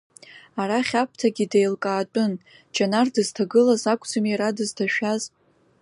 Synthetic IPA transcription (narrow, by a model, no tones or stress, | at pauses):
aɾaχʲapʰtʰaɡʲidejlkʼaːt͡pʼʊn | d͡ʒanardɨz̥tʰaɡɨlazakʷʼd͡zamiaɾadɨztʰaʃᶣaz